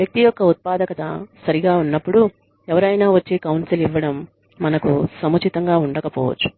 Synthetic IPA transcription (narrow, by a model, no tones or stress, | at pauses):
ʋjɐk̚t̪ijɔkːɐut̪̚paːd̪ɐkɐt̪ɐ̰sɐɾiɡaːunːɐpːuɽu | ɛʋɐɾɐjnaːʋɐt͡ʃːeːkɐwnsiliʋːɐɽɐmː | ɐnɐkusɐmɐt͡ʃʰit̪ɐŋɡaːuɳɖɐkɐpɔːʋɐ̰t͡ʃːu̥